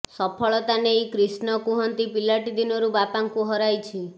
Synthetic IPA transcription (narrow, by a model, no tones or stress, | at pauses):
sɔpʰɔɭɔt̪anejkɾisnɔkuɦɔnt̪ipilaʈid̪inɔɾubapaŋkuɦɔɾajt͡ʃʰi